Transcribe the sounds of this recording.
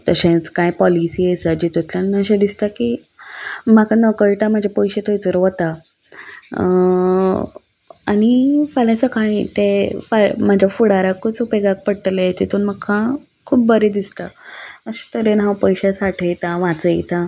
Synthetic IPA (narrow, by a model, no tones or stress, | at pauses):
t̪əɕẽt͡skajpɔlisiːesad͡ʑit̪ut̪ʰlanəɕẽd̪ist̪aki | makanəkəɭt̪am̤ad͡ʑʱapojɕet̪ojt͡səɾʋət̪a | añifalasəkʰaɽit̪efam̤ad͡ʑʱafuɽaɾakːut͡supeɡak̚pəɽt̪lejet͡ɕit̪unmakʰã | kʰuːp̚bəɾed̪ist̪aəɕẽ̥t̪əɾenɦãwpəjɕesaʈʰejt̪aʋãt͡səjt̪a